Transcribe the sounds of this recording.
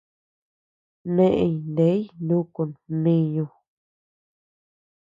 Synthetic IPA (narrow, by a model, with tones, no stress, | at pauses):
nẽ˦ʔe˧i˨nd̪e˨˦ndũ˦ku˨nnĩ˦ɲũ˧